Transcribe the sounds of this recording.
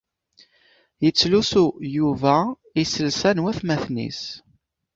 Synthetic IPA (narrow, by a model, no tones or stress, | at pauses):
jət͡sːlusujuvæ | isəlsænwæθmæθnḭs